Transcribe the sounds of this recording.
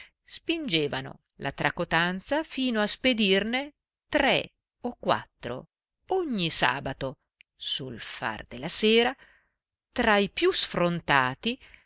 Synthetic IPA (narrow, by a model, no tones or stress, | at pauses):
spind͡ʒeːvano̰ | lʔa̰t̪ɾʔakot̪ant̪safiːnoasped̪irne | t̪ɾɛ̰ | okːwa̰t̪ːɾo̰ | oɲːisa̰ːbat̪o | sulfa̰rd̪elːaseːɾa | t̪ɾaipjusfɾont̪aːt̪i